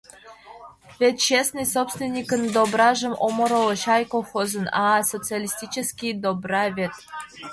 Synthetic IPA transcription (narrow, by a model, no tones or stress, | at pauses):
vʲet̪ʲt͡ɕesnɨjsopst̪vʲenʲːikə̆nd̪obrɑʐɤ̆mʔomŏɾɤ̆lˠɤ̆ɕɑjkoxozɤ̆nɑsot͡sɨalʲisʲtʲit͡ɕĕskʲijd̪obrɑvʲet̪